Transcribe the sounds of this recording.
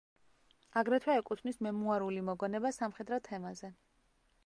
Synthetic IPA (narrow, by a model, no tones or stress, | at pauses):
aɡɾɛt̪ʰwaɛkʼut̪ʰnismɛmuaɾulimɔɡɔnɛbasamχɛd̪ɾɔt̪ʰɛmazɛ